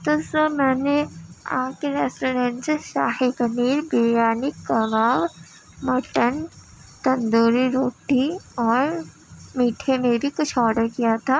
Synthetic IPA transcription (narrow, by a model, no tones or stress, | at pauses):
t̪osəbmɛːnea̰ːkeɾɛːsʈoːɾẽːɳʈseʃaːhikəmiːɾbeːjaːnɪkːɐɡaːʋ | mɐʈən | t̪ɐ̃nd̪oːɾiɾoːʈiɔːɾ | miːʈʰemebʱikʊt͡ʃʰɔːɽəɾkijat̪ʰaː